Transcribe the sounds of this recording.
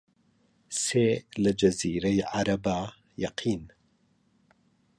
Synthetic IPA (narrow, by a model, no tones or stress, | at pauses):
seːlɐd͡ʒɐziːɾɐjʕaɾɐbaː | jɐqʰiːn